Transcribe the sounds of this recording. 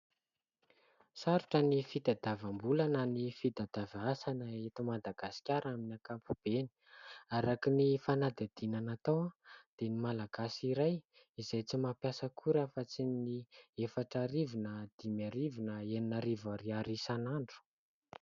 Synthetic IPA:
saɾuʈ͡ʂənifit̪ad̪avambulananifid̪ad̪̥avasanaet̪umad̪aɡasi̥kʲaɾaminiakampub̥eni̥aɾakinifanad̪ad̪̥inanat̪awad̪̥enimalaɡasiɾaj | izajt͡simapjasəkʰuɾafat͡siniefaʈ͡ʂaɾivinəd̪̥imjaɾivinəeninaɾivaɾiaɾisanaɳɖ͡ʐu̥

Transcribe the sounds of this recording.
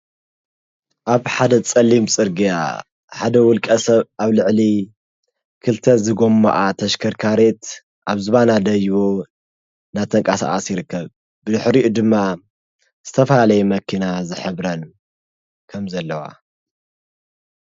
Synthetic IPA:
ʔaβħad̪ɐt͡sʼɐlːimt͡sʼɨɾɡija̰ | ħad̪ɐwʊlkʼɐsɐβaβlɨʕli | kʰɨlt̪ʰɐzɨɡo̞mːɐ̰ʔat̪ʰɐʃkʰɐɾkʰaɾe̞t̪ | ʔaβzɨβanad̪ɐjβo | nat̪ʰɐŋkʼasa̰ʔɐsjɪɾɨkːɐβ | bɨd̪ɨħɾiʔud̪ɨmːa | z̥ɨt̪ʰɐfɐlalɐjɛmɐkʰːinazɨħɨβɾɐn | kʰɐmzɐlːɐwa̰

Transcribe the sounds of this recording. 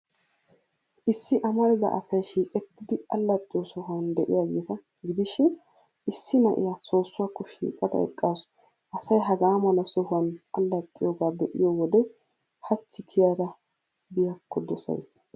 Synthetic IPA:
ʔɪsːɪʔɐmɐnɪd̪ɐ̰ʔɐ̰sɐjʃiːkʼɛt̪ːɪd̪ɪɐlːɐt̪ʼːɪjɔsɔhɐnd̪ɛʔɪ̰jaːɡeːt̪ɐ | ɡɪd̪ɪʃɪn | ɪsːɪnɐʔɪ̰jaːso̞ːsːʊwaːkːɔʃḭːkʼɐd̪ɐ̰ɛ̰kʼːaːs | ʔɐsɐjɦɐɡaːmɐlɐsɔhʊɐnɐlːɐt̪ʼːɪjoɡaːd̪ɛʔɪ̰jowɔd̪ɛ | hɐt͡ʃːɪkʰɪjaːd̪ɐ | bɪjɐkːɔd̪ɔsɐ̰js

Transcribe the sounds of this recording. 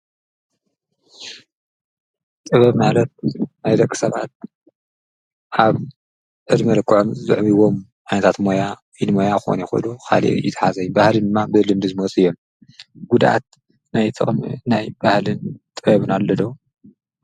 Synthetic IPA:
t̪ʼɨβɐβmalɐt̪̚najd̪ɐkʼːi̥sɐβa̰t̪̚ | ʔaβ | ʕɨd̪mɨlɨkʼːʕomzɨʕβiwo̞m | ʕajnɐt̪ʰat̪moja | fid̪mojaxo̰nixo̰lukʰa̰lḭʔjɪ̰t̪ʰḁħazɐjbahlɨnd̪ɨmːabɨlɨmd̪ɨzɨmɐt͡sʼɨjːo̞m | ɡ̥ud̪ʔa̰t̪̚ | najt̪ʰʼɨ̰χʼmnajbahlɨnt̪ʼɨβɐβɨnalːɐd̪ɐw

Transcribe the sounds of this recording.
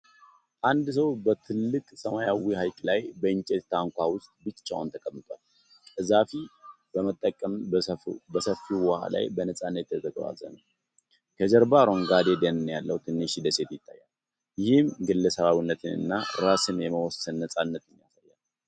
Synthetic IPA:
ʔand̪s̬əwbət̪ʰɨlːɨkʼsəmajawihajkʼlajbəɨɲt͡ʃʼet̪t̪ʰaŋkʷʰawʊst̪ʼbɨt͡ʃt͡ʃːa̰wʊnt̪ʰəkʼəmːɨt̪ʼal | kʼɨzafi | bəmət̪ʼːəkʼːəm | bəsəfiwwɔha̰la̰jbənəsʼanːət̪jɛt̪ʰəɡə̰wa̰zə̰nəw | kʰəd͡ʒəɾbaɾo̞ŋɡad̪ed̪ənɨnjalːəwut̪ʰɨnːɨʃid̪əse̞t̪jɪt̪ʰːajːal | jɪhɪmɡɨlːəsəβaβinːət̪ʰɨnɨ̰nːaɾasɨnjɛməwɔsɨnːəsʼanːət̪ɪnːija̰sajːal

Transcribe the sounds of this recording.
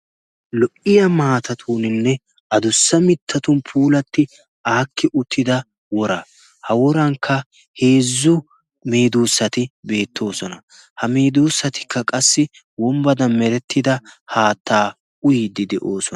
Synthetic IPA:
lɔʔɪjɐmaːt̪ɐt̪ʰuːnɪnːɛ | ʔɐd̪ʊsːɐmɪt̪ʰːɐt̪ʊnpʰuːlɐt̪ːɪ | ʔaːkːɪʔʊt̪ʰːɪd̪ɐ | wɔɾɐ | hɐwɔɾɐŋkʰːɐ | he̞ːzːʊ | meːd̪uːsːɐt̪ɪbe̞ːt̪ːo̞ːsɔnɐ | hɐmeːd̪uːsːɐt̪ɪ̥kːɐkʼɐsːɪ | wɔmbɐd̪ɐmmɛɾɛt̪ʰːɪd̪ɐhaːt̪ːaː | ʊjɪd̪ɪd̪ɛʔo̞ːsɔ

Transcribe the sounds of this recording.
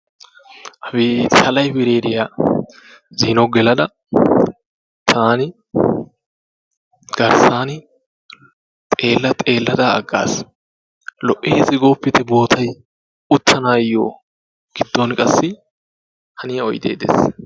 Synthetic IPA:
ʔɐfɪsʰɐlɐjbɪɾeːd̪ɪja | ziːnɔɡɛlɐd̪ɐ | t̪ʰaːnɪ | ɡ̥ɐɾsaːnɪ | t̪ʼe̞ːlːɐt̪ʼe̞ːlːɐd̪ɐɐɡːa̰ːs | lɔʔeːzɪɡoːpːɪt̪ɛbo̞ːt̪ʰɐj | ʊt̪ʰːɐnaːjːoː | ɡ̥ɪd̪ːonkʼɐsːɪ | hɐnɪjɐɔjd̪ḛːd̪ḛːs

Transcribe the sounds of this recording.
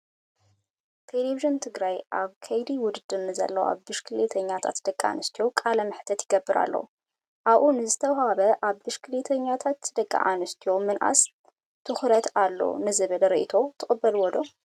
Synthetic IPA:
t̪ʰeleβiʒint̪ʰɨɡɾajʔaβkʰɐjd̪iwʊd̪ɨd̪ɨnːɨzɐ̰lːɐwa̰βbɨʃkʰɨlet̪ʰɐɲːat̪ʰa̰t̪d̪̥ɐkʼːaa̰nɨst̪ʰijo̞kʼalɐmɨħt̪ʰɐt̪jɪɡɐbːɨɾa̰lːɐ̰w | ʔaβʔunɨzɨt̪ʰɐwhaβɐʔaβbɨʃkʰɨlet̪ʰɐɲːat̪ʰat̪d̪ɐkʼːa̰ʔanɨst̪ʰijomɨnʔa̰s | t̪ʰɨxɾɐt̪ʰalːo̰nɨzɨβɨlɾiʔit̪ʰo̞t̪ʰɨxʼɨbːɐlwɔd̪o̞

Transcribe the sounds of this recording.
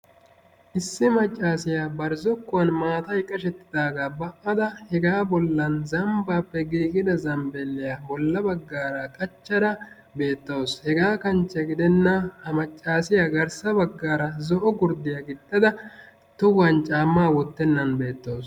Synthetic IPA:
ʔɪsːɪmɐt͡ʃʼːaːsɪjaːbɐɾzɔkːʊwɐnmaːt̪ɐjkʼːɐʃɛt̪ːɪ̥d̪aːɡaːbɐʔːɐd̪ɐhɛɡaːbɔlːɐnzɐmbaːpːɛɡiːkʼɪd̪ɐzɐmbɛlːɪjaːbɔlːɐbɐɡːaːɾɐkʼɐt͡ʃːɐɾɐ | be̞ːt̪ːɐwoshɛɡaːkɐnt͡ʃːɐɡɪd̪ɛnːɐhɐmɐt͡ʃʼːaːsɪjaɡɐɾsɐbɐɡːaːɾɐzɔʔɔɡʊɾd̪ɪjaɡɪd̪ːɐd̪ɐ | t̪ʊwɐnt͡ʃʼaːmːaːwɔt̪ːɛnːɐnbe̞ːt̪ːɐws

